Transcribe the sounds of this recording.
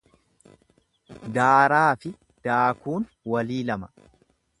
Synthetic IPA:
d̪aːɾaːfɪ | d̪̥aːkuːn | wɐliːlɐmɐ̥

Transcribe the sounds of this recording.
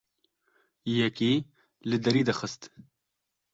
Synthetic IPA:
jɛkiː | lɨd̪ɐɾiːd̪ɐxɨst̪

